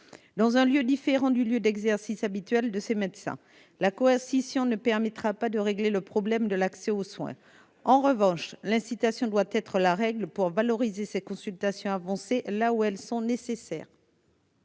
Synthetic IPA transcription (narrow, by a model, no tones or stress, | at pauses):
d̪ɑ̃zɛ̃ljød̪ifeʁɑ̃d̪yljød̪ɛɡzɛʁsisabit̪ɥɛld̪əsemɛt̪sɛ̰̃ | lakɔɛʁsisjɔ̃nəpɛʁmɛt̪χapad̪əʁeɡleləpχɔblɛmd̪əlaksɛoswɛ̰̃ | ɑ̃ʁəvɑ̃ʃlɛ̃sit̪asjɔ̃d̪wat̪ɛt̪χəlaʁɛɡlpuʁvalɔʁizesɛkɔ̃sylt̪asjɔ̃avɑ̃selauɛlsɔ̃nesesɛ̰ːʁ